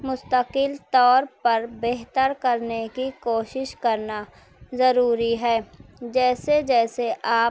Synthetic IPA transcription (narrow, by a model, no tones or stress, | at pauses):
mʊst̪əqɪlt̪ɔːɾpɐɾbeɦt̪əɾkəɾnekikoːʃɪʃkɐɾna | zɐɾuːɾiɦɛːd͡ʒɛːsed͡ʒɛːseʔaː